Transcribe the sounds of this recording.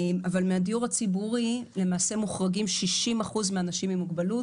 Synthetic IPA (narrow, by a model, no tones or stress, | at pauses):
mavalmeadijuʁat͡sibuʁile̞maːse̞muχʁaɡimʃiʃimaχuzmeanaʃimimuɡbalut